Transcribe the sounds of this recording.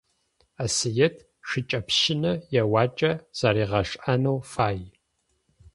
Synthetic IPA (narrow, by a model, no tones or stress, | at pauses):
asɨjɛtʰ | ʂɨt͡ʃʼɐpʃɪnɐjɛwaːt͡ʃʼɐz̥aːɾiːʁɐʂʼʔanɐwfaːj